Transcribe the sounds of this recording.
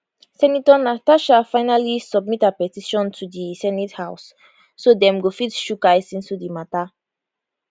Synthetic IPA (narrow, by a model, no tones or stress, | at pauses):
sɛnitɔnataʃafaɪnalisɔbmitapɛtiʃɔ̃ntʰudisɛnithaʊsː | odɛ̃mɡofitʃukajsĩnsudimata